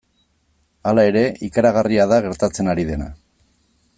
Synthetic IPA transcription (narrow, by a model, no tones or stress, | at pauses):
alae̞ɾe̞ʔikaɾaɣ̞ariaðaɣe̞ɾt̪at͡se̞naɾiðe̞na̰